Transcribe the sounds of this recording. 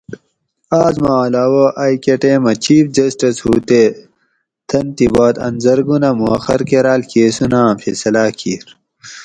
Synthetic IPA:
aːzmaːlaːwoʔɐjkeʈemɐt͡ɕiːfd͡ʑɐsʈɐshuːt̪e | t̪ʰɐnt̪ibaːt̪ɐ̰nzɐɾɡunɐmuɐxɐɾkeɾaːlkeːsunãːfesɐlaːkʰiːɾ

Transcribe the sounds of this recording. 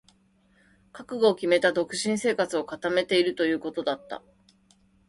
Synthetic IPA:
kakɯ̟ɡo̞ːkʲime̞t̪ad̪o̞kɯ̟̥ɕĩɰ̃se̞ːkat͡sɨo̞kat̪ame̞t̪e̞iɾɯ̟t̪o̞jɯ̟ːko̞t̪o̞d̪at̪ːa̰

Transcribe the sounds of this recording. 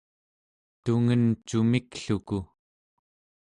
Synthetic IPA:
t̪uŋənt͡ʃumikɬuku

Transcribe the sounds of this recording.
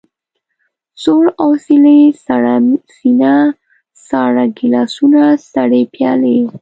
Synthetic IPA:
soɽasilesaɽasina | sɑɾaɡɪlɑsunasaɽepjɑ̰le

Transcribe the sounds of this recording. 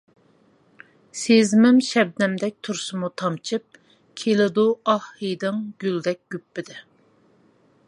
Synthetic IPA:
sezmɪmʃɛb̚nɛmd̪ɛk̚ʲt̪ʰuɾsɨmut̪ʰɑmt͡ʃʰɨp̚ | kʲʰelɪd̪uɑhːɨd̪ɨŋɡʲyld̪ɛk̚ʲɡ̥ʲypːɪd̪ɪ

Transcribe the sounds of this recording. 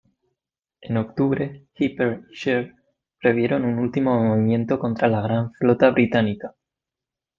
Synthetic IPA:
e̞no̞kt̪uβɾe̞xipeɾʃeɾ | pɾe̞βje̞ɾo̞nunult̪imo̞moβimjẽ̞nt̪o̞ko̞nt̪ɾalaɣ̞ɾaɱflo̞t̪aβɾit̪anika

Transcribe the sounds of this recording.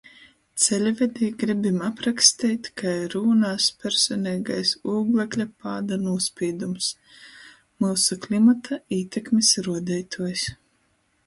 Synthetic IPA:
t̪sɛlʲvʲɛd̪iːɡɾibʲimapɾakst̪iːt̪ʲkʰajɾuːnaːspʲɛɾsɔnʲɛːɡajsuːɡlˠɛklʲapaːd̪anuɔspʲiːd̪ums | musuklʲimat̪ʰaiːt̪ʰʲɛkmʲisɾuɔd̪ɛjt̪ʰuɔjs

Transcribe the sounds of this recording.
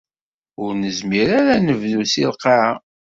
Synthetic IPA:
ʊɾnəzmiɾaɾænəvðusilqaʕa

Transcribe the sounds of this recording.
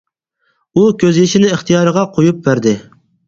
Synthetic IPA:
ukʲʰøzjeʃinɪɨχt̪ʰijɑːɾəʁɑqʰojup̚bæɾd̪ɪ

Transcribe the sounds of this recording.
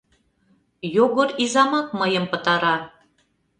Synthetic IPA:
joɣoɾizɑmɑk̚məjəmpə̆t̪ɑɾɑ

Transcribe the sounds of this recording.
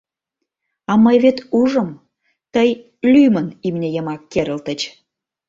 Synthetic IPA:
ɑməjβet̪uʒə̆m | t̪əj | lymənimnʲejəmɑkːeɾə̆lt̪ət͡ɕ

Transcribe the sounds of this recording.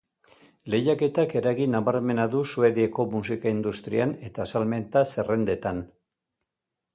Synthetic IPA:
le̞jake̞t̪ake̞ɾaɣinaβaɾme̞naðusue̞ðieko̞musikaind̪ust̪ɾiane̞t̪asalme̞nt̪ase̞re̞nd̪e̞t̪an

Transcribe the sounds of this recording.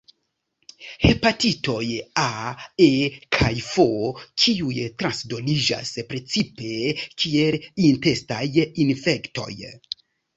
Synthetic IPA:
he̞patito̞jaekʰajfokʰiujtɾansdo̞lid͡ʒa̰spɾe̞t͡sipe̞kʰielinte̞stajinfe̞kto̞̰j

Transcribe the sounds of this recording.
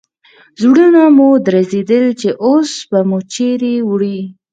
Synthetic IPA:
zwɽunamud̪ɾazed̪əlt͡ʃeʔosbamut͡ʃeɾewɽi

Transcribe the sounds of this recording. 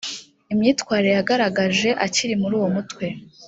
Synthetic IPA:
imɲiːtwaːɾeejaɡaɾaɡaʒe̞ʔaciɾimuɾuːwo̞mutwe̞

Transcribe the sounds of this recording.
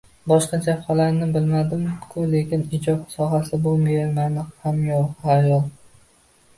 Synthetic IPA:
bɒʃqɑt͡ʃʰaalaɾnɪbɪlmad̪ɪmkʰʊle̞kʲɪnɪd͡ʒɒb̚sɒɦasɪbʊmemanɪqhamjoqhajɒlˠ

